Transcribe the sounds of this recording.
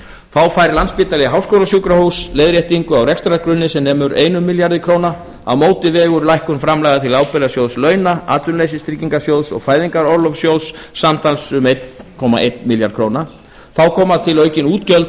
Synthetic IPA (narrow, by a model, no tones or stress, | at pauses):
θawfajɾlanspɪːt̪alɛɦawskowlasjuːkɾahuwslejðɾjeht̪iŋkʏawɾɛkst̪ɾakɾʏnːɪsɛmnɛːmʏɾeːjnʏmːiljaɾðɪkʰɾoːwna | a̰wmoːwt̪ɪvɛːɣʏɾlajhkʏnfɾamlɛːɣat̪ʰɪlaːwpɛlasjowðslœːɥnaa̰ːt̪ʏnlejs̬ɪst̪ɾiciŋkasjowðsɔ̰ɣfaːjðiŋkaɾɔɾlɔfsjowðsːamt̪ʰalsʏmejt̪kʰɔma̰ʔejt̪miljaɾt̪kʰɾoːwna | θawkʰɔːmat̪ʰɪlœɥcɪnuːt̪cœlt̪